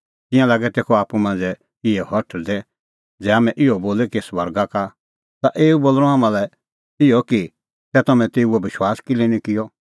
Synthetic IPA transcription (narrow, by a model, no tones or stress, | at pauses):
t̪ɪ̃jãlaːɡɛt̪eːkʰɔaːpumãːnd͡zɛ | ɪɛhɔʈʰd̪ɛ | d͡zɛːaːmɛ̃ʔɪjɔboːlɛkiswɐɾɡaka | t̪aʔeːuboːlɾ̃ɔaːmãlɛ | ɪjɔki | sɛt̪ɐmɛ̃t̪eːuɛbɪʃwaːskilenikɪjɔ